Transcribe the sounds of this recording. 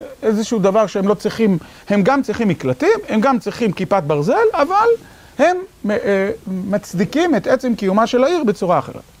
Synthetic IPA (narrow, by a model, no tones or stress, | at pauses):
ezeʃuud̪avaʁʃeemlo̞t͡sʁiχim | he̞mɡamt͡sʁiχimiklatimhe̞mɡamt͡sʁiχimkipat̪̚baʁze̞laval | he̞m | at͡sd̪ikimet̪et͡se̞mkijumaʃe̞laiʁbet͡suʁaaχe̞̰ʁḛt̪